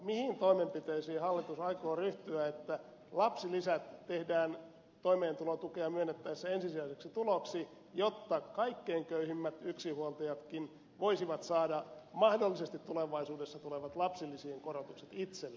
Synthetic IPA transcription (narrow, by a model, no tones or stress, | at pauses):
mihint̪oimempit̪eisiːhɑlːit̪usɑikoːryht̪yæet̪ːæ | lɑpsilisæt̪tehdæːn | t̪oimeːnt̪ulot̪ukeɑmyønːˑet̪ːæisːæensisiæiseksit̪uloksi | jot̪ːɑkɑikːeiŋkøyhimːæt̪yksihuolt̪ɑjɑt̪kin | ʋoisiʋɑt̪sɑːdɑmɑhdolːisest̪it̪t̪uleʋɑisuːdesːɑt̪uleʋɑt̪lɑpsilːisieŋkorot̪ukset̪it̪selː